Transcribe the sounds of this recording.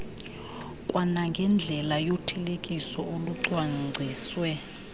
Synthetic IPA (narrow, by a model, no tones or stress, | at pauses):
kʼwanaŋɡʱɛnd͡ɮʱɛlajotʰɛlekʼisɔoluǀwaŋ͡ǀʱiːswɛ